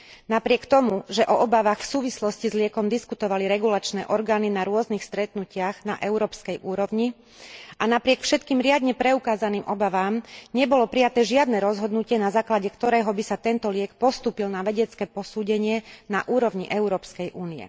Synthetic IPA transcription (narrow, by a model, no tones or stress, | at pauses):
napɾɪɛkt̪ɔmuʒɛʔɔʔɔbaʋaːxfsuːʋislɔscizlɪɛkɔmd̪iskut̪ɔʋaliɾɛɡulat͡ʃnɛːʔɔɾɡaːninaɾʊɔznixst̪ɾɛt̪nucɪaɣnaʔɛʊɾɔːpskɛjʔuːɾɔʊɲi | ʔanapɾɪɛkfʃɛt̪kiːmɾɪad̪ɲɛpɾɛukaːzaniːmʔɔbaʋaːmɲɛbɔlɔpɾijat̪ɛːʒɪad̪nɛɾɔzɦɔd̪nucɪɛnazaːklaɟɛkt̪ɔɾɛːɦɔbisat̪ɛnt̪ɔlɪɛkpɔst̪uːpilnaʋɛɟɛt͡skɛːpɔsuːɟɛɲɪɛnaʔuːɾɔʋɲiʔɛʊɾɔːpskɛjʔuːniɛ̰